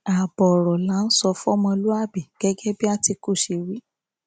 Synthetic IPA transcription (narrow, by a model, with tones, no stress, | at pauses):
a˨bɔ˨ɾɔ˨la˨˦n̩˦sɔ˧fɔ˦mɔ̃˧lu˦a˦˨bi˨ɡ̥ɛ˦ɡɛ˦bi˦a˦˨ti˧ku˦˨ʃi˨ɾi˦